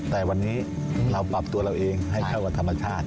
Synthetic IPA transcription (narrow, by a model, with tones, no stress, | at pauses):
t̪ɛː˨˩wa˧nːiː˦˥ | ɾa˧wpɾa˨˩p̚t̪u˧ɐɾa˧wʔeː˧ŋɦa˥˩jkʰa˥˩wa˧˩t̪ʰa˧mːa˧t͡ɕʰaː˥˩t̪̚